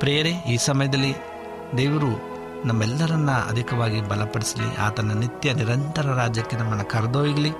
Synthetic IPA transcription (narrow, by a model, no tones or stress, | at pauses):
pɾɛːjɐɾeiːsɐmɐjɐd̪ɐlːi | d̪eːʋɐɾu | nɐmːɛlːɐɾɐnːɐɐ̰d̪ʱikɐʋaːɡibɐlɐpɐɽisɐlḭʔa̰ːt̪ɐnːɐnit̪jɐniɾɐnt̪ɐɾɐɾaːd͡ʒjɐkːenɐmːɐnɐkɐɾd̪oːjiɡɐli